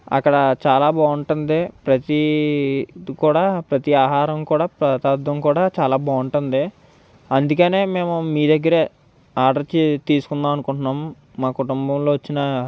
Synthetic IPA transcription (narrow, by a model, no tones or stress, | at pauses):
ɐ̰kːɐɽɐt͡ʃaːlaːbaːʋuɳʈund̪ipɾɐt̪i | kuːɽaːpɾɐt̪iaːɦaːɾɐmkuːɽaːpɾɐt̪aːd̪ʋɐmkuːɽaːt͡ʃaːlaːbaːuɳʈund̪i | ɐnd̪ukɐne̞ːme̞ːmumiːd̪ɐɡːɐɾeː | aːɖɐɾt͡ʃit̪iːsu̥kund̪aːmɐnukuɳʈnːaːmː | aːkuʈumbɐmlo̞ːʋɐt͡ʃːinɐ